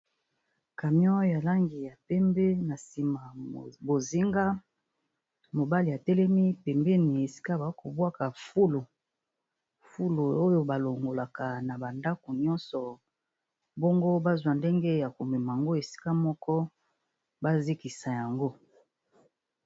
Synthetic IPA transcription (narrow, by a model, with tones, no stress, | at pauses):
ka˨mjɔ̃˦ja˨la˦ŋɡi˨ja˨pɛ˦mbɛ˦na˨si˨ma˨bo˨zi˦ŋɡa˦ | mo˨ba˦li˨ja˨tɛ˦lɛ˦mi˦pɛ˨mbɛ˦ni˨e˨si̥˦ka˦ba˨ko˨bwa˦ka˨fu˦lo˨ | fu˦lo˨o˦jo˨ba˨lo˨ŋɡo˨la˨ka˨na˨ba˨nda˦ko˨ɲɔ˦nsɔ˨ | bo˦ŋɡo˦ba˦zwa˨nde˦ŋɡe˦ja˨ko˨mɛ˨ma˨a˨ŋɡo˦e˨si̥˦ka˦mɔ˦kɔ˦ | ba˦zi˦ki˨sa˨ja˨ŋɡo˦